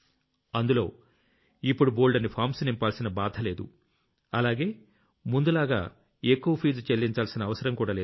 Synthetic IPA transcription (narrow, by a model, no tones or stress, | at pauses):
ɐnd̪ulo̞̰ː | ipːuɽuboːlɖɐnːipʰaːɾmsnimpaːlsinɐbaːd̪ʱɐle̞ːd̪ṵ | ɐlaːɡe̞ː | mund̪ulaːɡa̰ː | eːkːuʋɐpʰiːd͡ʒt͡ʃelːiɲt͡ʃaːlsinɐːʋɐsɐɾɐmkuːɽaːleː